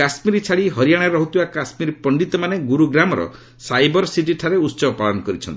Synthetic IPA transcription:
asmiɾit͡ʃʰaɭiɦɔɾijaɽ̃aɾɔɦut̪ʰibakasmiɾpɔɳɖit̪ɔmaneɡuɾuɡɾamɔɾɔ̰ | sajbɔɾsiʈ̬iʈʰaɾeutːsɔbɔpalɔnɔkɔɾit͡ʃʰɔnt̪i

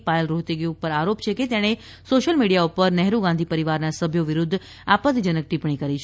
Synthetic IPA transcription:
paelɾoɦt̪eɡũpəɾaɾopt͡ʃʰeket̪jaɽ̃e | soʃəlmiɽijaupəɾnɛɦɾuɡãnd̪ʱipəɾiʋaɾnasəbʱjoʋiɾud̪ʱː | apət̪d͡ʒənək̚ʈ̪ipɳ̃ikəɾit͡ʃʰ

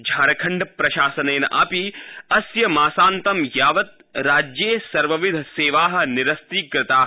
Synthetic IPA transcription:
d͡ʒʱaːɾɐkʰɐɳɖɐpɾɐʃaːsɐneːnɐ̰ʔa̰ːpiɐsjɐmaːsaːnt̪ɐmjaːʋɐt̪̚ | ɾaːd͡ʒjeːsɐɾʋɐʋid̪ʱseːʋaːɦɐ̆niɾɐst̪iːkɾɪt̪aː

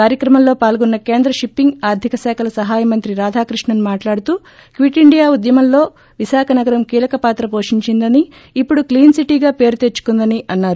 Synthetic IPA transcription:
kaːɾjɐkɾɐmɐmlo̞ːpaːlɡunːɐke̞ːnd̪ɾɐʃipːiŋɡaːɾd̪ʱikɐsɛːkʰɐlɐsɐɦaːjɐmɐnt̪ɾiɾaːd̪ʱaːkɾiʂɳɐnumaːʈlaːɽut̪uː | kʋiʈiɳɖijaːud̪jɐmɐmlo̞ː | ʋisaːkʰɐnɐɡɐɾɐmkiːlɐkɐpaːt̪ɾɐpo̞ːʂiɲt͡ʃind̪ɐniː | pːuɽukliːnsiʈiːɡaːpe̞ːɾut̪e̞t͡ʃːu̥kund̪ɐniʔɐnːaːɾu

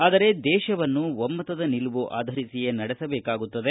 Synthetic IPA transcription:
aːd̪ɐɾe̞d̪ɛːʃɐʋɐnːuʋɐmːɐt̪ɐd̪ɐniluʋuʔa̰ːd̪ʱɐɾisijenɐɽɛsɐbɛːkaːɡut̪ːɐd̪e

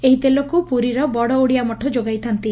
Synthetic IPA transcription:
eɦit̪elokupuɾiɾɔbɔɽɔoɽijamɔʈʰɔd͡ʒoɡajt̪ʰant̪i

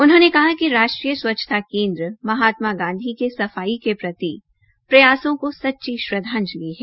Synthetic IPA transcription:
ʊnɦõːnekɐɦakiɾaːʃʈɾijəswɐtːʃʰə̥t̪ʰakẽːnd̪ɾəmɐɦaːt̪maɡãːnd̪ʱikesɐfaːikepɾɐt̪i | pɾɐjaːsõkosɐtːʃiʃɾɐd̪ʱãːnd͡ʒliɦɛː

